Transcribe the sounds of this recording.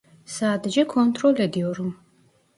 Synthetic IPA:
saːd̪d͡ʒɛkʰɔnt̪ʰʼɾɔlɛd̪iɔɾum

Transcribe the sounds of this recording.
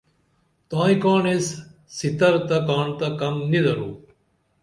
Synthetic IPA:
t̪ãːĩkaːɳesː | it̪ɐɾt̪ɐkaːɳt̪ɐkɐmnid̪ɐɾuː

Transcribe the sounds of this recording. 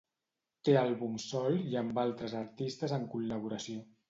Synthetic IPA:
t̪ealˠβumsɔliəmbalˠt̪ɾəzəɾt̪ist̪əzəŋkulːəβuɾəsio

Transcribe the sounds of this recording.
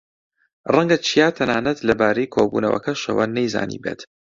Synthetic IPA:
rɐŋɡɐt͡ʃʰijaːt̪ʰɐnaːnɐt̪lɐbaːɾejkʰoːbṵːnɐwɐ̰kʰɐʃɐ̰wɐnejza̰ːnḭːbḛːt̪

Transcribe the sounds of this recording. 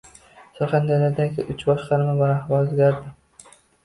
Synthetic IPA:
sɒχand̪alaɾd̪aɡʲɪʔʊt͡ʃbɒʃqɑɾmabaɾahbɒlozɡʲaɾd̪ɪ

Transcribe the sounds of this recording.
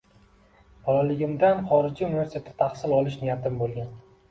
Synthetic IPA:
bʰɒlɒlɪɡʲɪmd̪anχɒɾɪd͡ʒiunivʲe̞ɾsit̪ʰet̪ʰɪ̥t̪ʰaχsɪlɒlˠɪʃnijat̪ʰɪmbolˠɡʲan

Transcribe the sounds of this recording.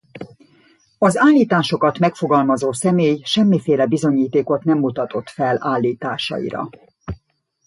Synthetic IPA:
ɒzaːlːiːt̪aːʃo̞kɒt̪mɛkfo̞ɡɒlmɒzoːsɛmeːjʃɛmːifeːlɛbizo̞ɲiːt̪eːko̞t̪nɛmːut̪ɒt̪o̞t̪fɛlaːlːiːt̪aːʃɒ̰ḭɾɒ̰

